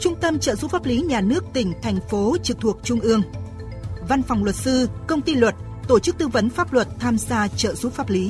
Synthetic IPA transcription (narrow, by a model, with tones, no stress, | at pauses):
t͡ɕʊ˧ŋ͡mt̪ə˧mt͡ɕə̰ː˧˨zu˨˦faː˦˥p̚li˨˦ɲaː˨˩nɨ˦˥ək̚t̪ï˧˩ŋ̟t̪ʰɛ˨˩jŋ̟fo˨˦t͡ɕɨ˨˩k̚t̪ʰu˨˩ək̚t͡ɕʊ˧ŋ͡mʔɨ˧əŋ | va˧nfa˨˩wŋ͡mlwə˨˩t̚sɨ˧kə˧wŋ͡mt̪i˧lwə˨˩t̚ | t̪o˧˩t͡ɕɨ˦˥k̚t̪ɨ˧və˨˦nfaː˦˥p̚lwə˨˩t̚t̪ʰaː˧mzaː˧t͡ɕə̰ː˧˨zu˨˦faː˦˥p̚li˨˦